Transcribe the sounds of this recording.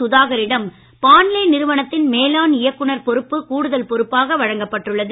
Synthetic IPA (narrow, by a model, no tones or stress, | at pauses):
ʊðaːɣɐɾɪɽɐm | paːnɪlɐɪnɪɾɯʋɐɳɐt̪ːɪnmeːlaːnɪjɐkːɯɳɐɾpɔɾɯpːɯkuːɽɯðɐlpɔɾɯpːaːɣɐʋɐɻɐŋɡɐpːɐʈrɯɭːɐðɯ